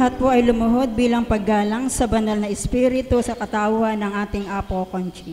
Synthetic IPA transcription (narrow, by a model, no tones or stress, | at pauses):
hɐt̪̚po̞ʔɐjlʊmʊɦo̞d̪̚biːlɐŋpɐɡːaːlɐŋsɐbɐnɐlnɐʔɛspiːɾɪt̪osɐkɐt̪aːwɐnɐŋʔaːt̪ɪŋʔaːpokont͡ʃi